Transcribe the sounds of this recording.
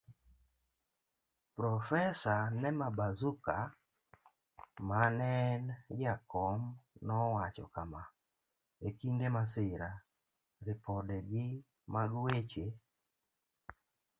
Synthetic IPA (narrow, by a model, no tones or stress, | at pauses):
pɾɔfɛsanɛmabazuka | manɛnjakɔmnɔwat͡ʃɔ̰kama | ekindemasɪɾa | ɾɪpɔdɛɡɪ | maɡwet͡ʃe